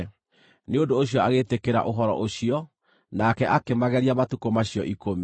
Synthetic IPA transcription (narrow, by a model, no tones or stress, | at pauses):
neodoːɕjɔaɣetekeɾa̰ʔoɦɔɾɔ̰ʔoɕijɔ | nakɛʔakemaɣɛɾiamatukomaɕijɔʔikomi